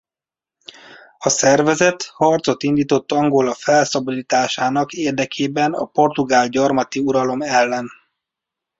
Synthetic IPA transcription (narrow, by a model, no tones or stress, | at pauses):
ɒsɛrvɛzɛt̪hɒrt̪so̞t̪ind̪iːt̪o̞t̪ːɒŋɡo̞lɒfɛlsɒboliːt̪aːʃaːnɒkeːrd̪ɛkʰeːbɛnɒ̰po̞rt̪uɡaːlɟɒrmɒt̪iuɾɒlo̞mɛlːɛn